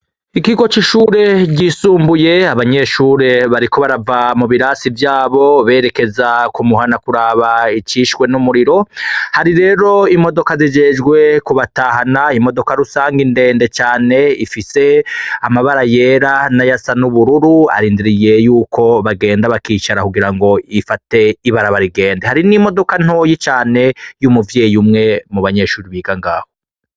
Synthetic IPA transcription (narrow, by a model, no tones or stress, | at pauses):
ikiɡo̞t͡ʃiʃuːɾe̞ɟiːsuːmbuje̞aβaɲe̞ʃuːɾe̞βaɾiko̞βaɾavamuβiɾaːsivjaːβo̞βe̞ːɾe̞ke̞zakumuhanakuɾaːβait͡ʃiʃwe̞numuɾiɾo̞haɾiɾe̞ːɾo̞imo̞do̞kazid͡ʒe̞d͡ʒɡwe̞kuβataːhanaimo̞do̞kaɾusaːŋɡinde̞ːnde̞t͡ʃaːne̞ifise̞amaβaɾaje̞ɾanajasanuβuɾuɾua̰ɾiːndiɾije̞juːkʰo̞βaɡe̞ːndaβakiːt͡ʃaɾakuɡiɾaŋɡo̞ifate̞iβaɾaβaɾiɡe̞ːndehaɾinimo̞do̞kan̥o̞jit͡ʃaːne̞jumuvjeːjumŋe̞muβaɲe̞ːʃuːɾiβiːɡaŋɡaːho